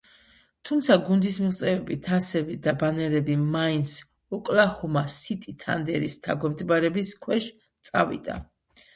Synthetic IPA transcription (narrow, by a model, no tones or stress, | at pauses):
t̪ʰumt̪sʰaɡund̪ismiχt̪sʼɛvɛbit̪ʰasɛbid̪abanɛɾɛbimaint̪sʰ | ɔkʼlahumasit̪ʼit̪ʰa̰nd̪ɛɾist̪ʰaɡwɛmt̪ʰbaɾɛbiskʰwɛʃ | t̪sʼa̰vḭd̪a̰